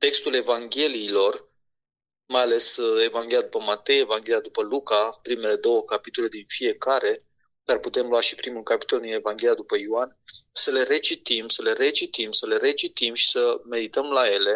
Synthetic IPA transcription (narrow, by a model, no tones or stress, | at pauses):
t̪e̞kst̪ule̞vaŋɡʲe̞liːlo̞r | majale̞se̞vaŋɡʲe̞liad̪upəmat̪e̞jevaŋɡʲe̞liad̪upəlukapɾime̞le̞d̪o̞wəkapit̪o̞le̞d̪infie̞kaɾe̞ | d̪arput̪e̞mluaʃi̥pɾimulkapi̥t̪o̞ld̪ine̞vaŋɡʲe̞lijad̪upəjoansəle̞re̞t͡ʃit̪imsəle̞ɾe̞t͡ʃit̪imsəle̞ɾe̞t͡ʃit̪imʃi̥səme̞d̪it̪əmlaje̞le̞